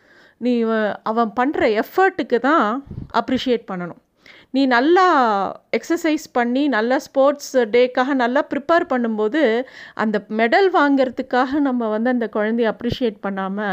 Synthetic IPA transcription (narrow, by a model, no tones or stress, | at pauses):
nĩːʔɐʋɐ̃pɐɳːɾɐɛfɐɾʈːɯkːɯt̪ãːʔɐpːɾiːʂɪjeːʈ̚pɐɳːɐɳʊ̃ | nĩːnɐlːaːɛksɐɾsɐɪspɐɳːinɐlːaspoːɾʈsɖeːkːaːɣɐnɐlːaːpɪɾɪpeːɾpɐɳːɯmpoːðɯʔɐ̰nd̪ɐmɛɽɐlʋaːŋɡɪɾɐt̪ːɯkːaːɣɐnɐmːɐʋɐnd̪ɯɐnd̪ɐkʊɻɐnd̪ɛjɐpɾiːʂɪjeːʈ̚pɐɳːaːmɐ